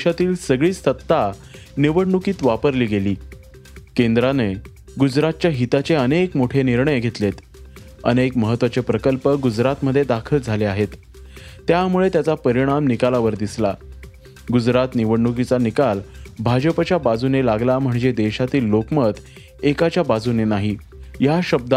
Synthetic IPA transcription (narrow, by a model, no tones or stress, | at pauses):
ɕat̪iːlsəɡɭiːst̪ət̪ːaniʋəɽɳukiːt̪ʋapəɾliːɡeliː | kend̪ɾane | ɡud͡zɾat̪̚t͡ɕjaɦit̪at͡ɕeənekmoʈʰeniɾɳəjɡʱet̪let̪ | ə̰nekməɦət̪ːʋat͡sepɾəkəlpəɡud͡zɾat̪məd̪ʱːjed̪akʰəld͡zʱaleaɦet̪ː | jamuɭet̪jat͡sapəɾiɽ̃amnikalaʋəɾd̪isla | ɡud͡zɾat̪niʋəɽɳukit͡sanikalbʱad͡ʑəpat͡ɕjabad͡zunelaɡlam̤əɳd͡zed̪eɕat̪iːlːokmət̪ | ekat͡ɕjabad͡zunenaɦi | jaɕəb̚d̪a